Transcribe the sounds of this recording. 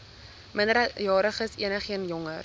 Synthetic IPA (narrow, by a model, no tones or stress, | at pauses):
məndəɾəjɑːɾəχəsḭənəχiənjɔŋər